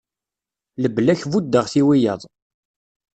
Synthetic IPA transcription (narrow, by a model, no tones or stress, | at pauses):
ləblæçvud̪ːəʁθiwijəðˤ